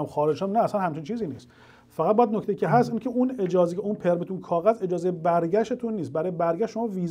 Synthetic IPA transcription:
mxɒːɾed͡ʒʃæmnæːsænhæmt͡ʃʰint͡ʃʰiːziːniːst̪ | fæɣæt̪̚bɔjæd̪nokʰt̪eiːcʰʲeɦæst̪iːncʰeuned͡ʒɒːzekʰeunpʰe̞ɾmet̪ʰunkʰɒːɣæze̞d͡ʒɒːzejebæɾɟæʃet̪ʰunːiːst̪̚bæɾɔːjebæɾɡæʃtʃo̞mɔːviːz

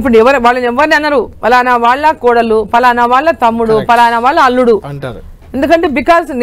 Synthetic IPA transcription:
p̬ːuɽɛʋɐɾʋaːɭːɐnɛʋːɐɾniɐnd̪ɐɾupɐlaːnaʋaːɭːɐkɔːɽɐlupɐlaːnɐʋaːɭːɐt̪ɐmːuɽupɐlaːnɐʋaːɭːɐɐlːuɽu | end̪ukɐɳʈe̞ːbikaːlsn

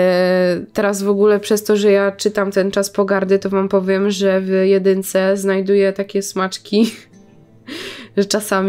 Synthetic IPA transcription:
t̪ɛɾazvɔɡulɛpʂɛst̪ɔʐɛjat͡ʂɘt̪amt̪ɛnt͡ʂaspɔɡaɾd̪ɘt̪ɔvampɔvʲjɛmʐɛvjɛd̪ɘnt̪sɛznajd̪ujɛt̪akʲɛsmat͡ʂkʲi | ʐɛt͡ʂasamʲ

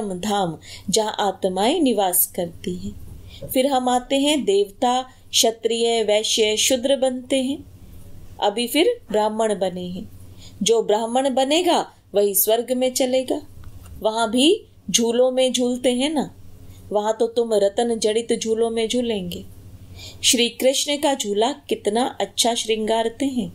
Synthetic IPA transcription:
md̪ʱaːmd͡ʒɐ̃ɦãʔaːt̪maːinɪʋaːskɐɾt̪iɦɛ̃ːfɪɾɦɐmaːt̪eɦɛ̃d̪eːʋt̪a | ʃɐt̪ɾijəʋɛːʃjəʃʊd̪ɾəbɐnt̪eɦɛ̃ː | ɐ̰bʱifɪɾbɾaːməɽ̃bɐneɦɛ̃ːd͡ʒoːbɾaːɦməɽ̃bɐneːɡaː | ʋɐɦisʋɐɾɡmẽt͡ʃɐleːɡaːʋɐɦãbʱi | d͡ʒʱuːlõmẽd͡ʒʱuːlt̪eɦɛ̃naʋɐɦãt̪ot̪ʊmɾɐt̪ənd͡ʒɐɽɪt̪d͡ʒʱuːlõmẽd͡ʒʱuːlẽːŋɡeː | ʃɾiːkɾɪʃɳəkad͡ʒʱuːlakɪt̪naʔɐtːʃʰaʃɾɪ̃ŋɡaːɾt̪eɦɛ̃ː

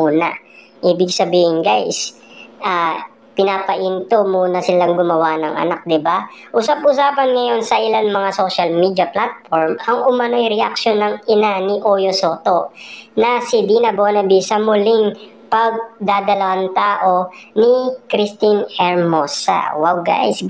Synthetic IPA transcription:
uːnɐ̰ | ʔiːbɪɡsɐbiːhɪŋɡajs | ʔa | pɪnaːpɐʔint̪omuːnɐsɪlaŋɡʊmɐwanɐŋʔɐ̰nak̚d̪ɪbaʔʊsab̚ʔʊsaːpɐnŋɐjo̞nsɐʔɪlanmɐŋaso̞ːʃɐlmiːd̪ɐplat̪̚foɹmɐŋʔʊmɐno̞jɾɛʔak̚ʃo̞nːɐŋʔɪnanɪʔoːjosoːt̪o̞nɐsɪd̪iːnɐboːnɐbisɐmʊlɪŋ | pɐɡ̚d̪aːd̪ɐlɐwant̪aːʔo̞nɪkɾist̪inɛɹmosɐ̰wawɡa̰js

